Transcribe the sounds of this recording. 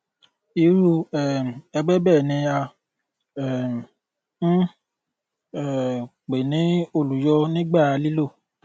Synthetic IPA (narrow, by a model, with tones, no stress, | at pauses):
i˨˧ɾu˦ɛ˨m˨ɛ˧ɡ͡bɛ˦bɛː˦˨nĩ˧a˧ | ɛ˦˨˦ | ɛ˦˨ | k͡pe˨nĩ˨˦o˧˨lu˨jɔ˧˦nĩ˦ɡ͡ba˦˨a˧li˦lo˦˨